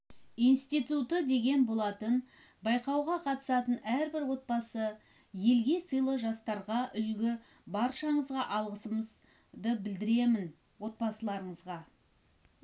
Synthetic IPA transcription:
ijnst̪ijt̪ut̪əd̪e̞ɡʲe̞nbo̞lˠɑt̪ən | bɑjqɑwʁɑqʰɑt̪ə̥sɑt̪ənæɾbɪɾwo̞t̪̚bɑsə | je̞lɡʲe̞səjlˠəʒɑst̪ɑɾʁɑʔʏlɡʲɪ | bɑɾʃɑɴəzʁɑʔɑlˠʁəsəməz | d̪əbɪld̪ɪɾe̞mɪn | wo̞t̪̚pɑsəlˠɑɾəɴəzʁɑ

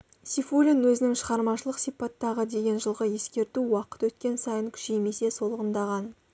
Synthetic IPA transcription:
sifulʲinwɵzɪnɪŋʃəʁɑɾmɑʃəlˠəqsijpɑt̪ːɑʁəd̪e̞ɡʲe̞nʒəlˠʁəje̞skʲe̞ɾt̪uwɑqə̥t̪wɵt̪̚kʲe̞nsɑjəŋkʲʰʏ̥ʃejme̞se̞so̞lˠəʁənd̪ɑʁɑn

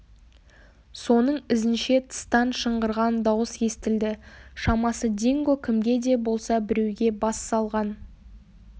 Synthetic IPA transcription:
so̞nəɴɪzɪnʃe̞t̪ʰə̥st̪ɑnʃəɴʁəɾʁɑnd̪ɑwəsje̞st̪ɪld̪ɪʃɑmɑsəd̪eŋɡɵkʲʰɪmɡʲe̞d̪e̞bo̞lˠsɑbɪɾe̞wɡʲe̞bɑsːɑlˠʁɑn

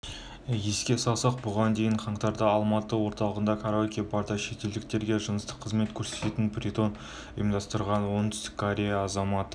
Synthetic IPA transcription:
jeskʲe̞sɑlˠsɑq̚bʊʁɑnd̪e̞jɪɴqʰɑɴt̪ɑɾd̪ɑɑlˠmɑt̪əwo̞ɾt̪ɑlˠəʁənd̪ɑkʰaɾokʲibɑɾd̪ɑʃe̞t̪e̞ld̪ɪk̚t̪e̞ɾɡʲe̞ʒənəst̪ə̥qʰːəzme̞t̪kʲʰɵɾse̞t̪e̞t̪ɪnbɾit̪o̞n | ʊ̰jəmd̪ɑst̪əɾʁɑnwo̞nd̪ʏst̪ɪ̥kʲʰːoɾʲe̞jaːzɑmɑt̪ə

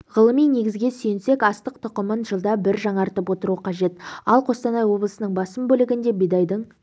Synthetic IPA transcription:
ʁəlˠəmijne̞ɡʲɪzɡʲe̞sɵjɪnse̞kɑst̪əq̚t̪ʰʊqəmənʒəlˠd̪ɑbɪɾʒɑɴɑɾt̪əpwo̞t̪əɾuəqʰɑʒe̞t̪ɑlˠqʰo̞st̪ɑnɑjwo̞blˠəsənəɴbɑsəmbɵlɪɡʲɪnd̪e̞bijd̪ɑjd̪əɴ

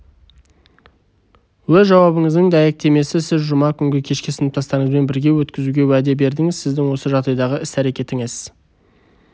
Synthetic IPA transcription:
wɵzʒɑwɑbəŋəzd̪əŋd̪æjek̚t̪e̞me̞sɪsɪzʒʊmɑkʲʰʏŋɡʲɪkʲʰe̞ʃkʲɪsɪnɪp̚t̪ʰɑst̪ɑɾəɴəzme̞nbɪɾɡʲe̞wɵt̪kʲɪzuɡʲe̞wæd̪e̞be̞ɾd̪ɪŋɪzsɪzd̪ɪŋwo̞səʒɑʁd̪ɑjd̪ɑʁəɪsæɾe̞kʲe̞t̪ɪŋɪz̥

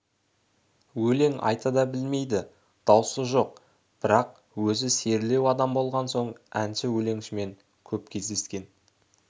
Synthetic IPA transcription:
wɵle̞ŋɑ̰jt̪ɑd̪ɑbɪlme̞jd̪ɪ | d̪̥ɑwsəʒo̞q̚ | b̥ɪɾɑq̚ | wɵzɪse̞ɾle̞wɑd̪ɑmbo̞lˠʁɑnso̞ɴænʃɪwɵle̞ŋʃɪme̞ŋ | kʲʰɵp̚kʲʰe̞zd̪e̞skʲe̞n

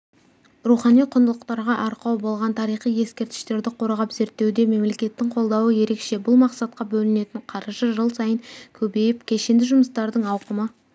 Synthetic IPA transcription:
ɾuχɑnijqʰʊnd̪əlˠəqt̪ɑɾʁɑʔɑɾqɑwbo̞lˠʁɑnt̪ʰɑɾijχije̞skʲe̞ɾt̪ɪ̥ʃt̪e̞ɾd̪ɪqʰo̞ɾʁɑpze̞ɾt̪ːe̞wd̪e̞me̞mle̞kʲe̞t̪ːɪɴqʰo̞lˠd̪ɑwəje̞ɾe̞kʃe̞bʊlˠmɑqsɑt̪̚qɑbɵlɪne̞t̪ɪɴqʰɑɾʒəʒəlˠsɑjəŋkʲʰɵbe̞jɪpkʲʰe̞ʃe̞nd̪ɪʒʊməst̪ɑɾd̪əŋɑwqəmə

